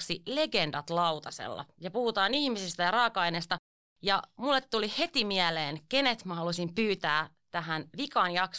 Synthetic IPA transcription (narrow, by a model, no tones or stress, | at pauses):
ksile̞ɡe̞ndɑt̪lɑwt̪ɑsḛlːɑ̰jɑpuhut̪ɑːnihmisist̪æjɑɾɑːkɑinest̪ɑ | jɑmulːet̪tulihe̞t̪imiæleːnke̞net̪mɑhɑlusimpyːt̪æː | t̪æɦænʋikɑnjɑks